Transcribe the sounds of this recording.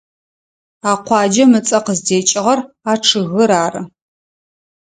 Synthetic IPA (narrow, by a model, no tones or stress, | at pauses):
aːqʷɑːd͡ʒɐmɨt͡sʼɐqəzdeːt͡ʃʼɪʁɐr | aːʈ͡ʂʰɨɣɨɾaːrɨ